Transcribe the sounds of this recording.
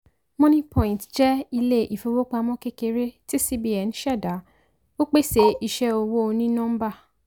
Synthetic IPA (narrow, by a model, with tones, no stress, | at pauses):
mɔ̃˦nĩ˦pʰɔ̃˨ĩ˨ntd͡ʒɛ˦i˧le˦i˨fu˨˧wo˦k͡pa˧mɔ̃˦ke˦ke˧ɾe˦ti˦si˦bi˦ɛ˨n˦ʃɛ˦˨da˨˦ | o˦k͡pe˦se˨i˨ʃɛ˦o˧wo˦˧nĩ˦nɔ̃˦m̩˦ba˦˨